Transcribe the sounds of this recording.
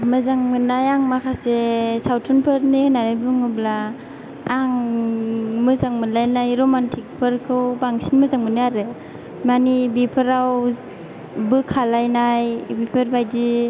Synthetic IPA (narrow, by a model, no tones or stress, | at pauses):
mɯzaŋmɯnajaŋmakʰasesawtʰɔnpʰɯɾnihɯnanɯjbɯŋɯblaː | ŋ | mɯzaŋmɯnlajnajɾɔmantʰik̚pʰɯɾkʰɯwbaŋsinmɯzaŋmɯnɯaɾɯ | manibipʰɯɾaw | bɯkʰalajnajbipʰɯɾbajdi